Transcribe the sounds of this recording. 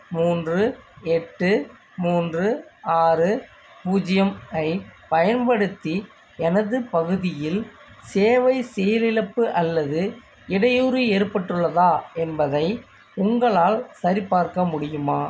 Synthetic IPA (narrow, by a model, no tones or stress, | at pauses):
muːndrɯɛʈːɯ | muːndrɯaːɾɯ | puːd͡ʒɪjɐmɐɪpɐjɐnpɐɽɯt̪ːi | ɛnɐðɯpɐɣɯðɪjɪl | seːʋɐɪsɛjɐlɪɻɐpːɯʔɐlːɐðɯ | ɪɽɐjuːɾɯeːɾpɐʈːɯɭːɐðaːɛnbɐðɐɪ | ʊŋɡɐɭaːlsɐɾipːaːɾkɐmʊɽɪjɯmaː